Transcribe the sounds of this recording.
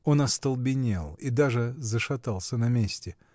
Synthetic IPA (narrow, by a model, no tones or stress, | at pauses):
o̞nɐst̪əlˠbʲɪnʲelˠid̪aʐɨzəʂɐt̪alˠsʲənɐmʲesʲtʲɪ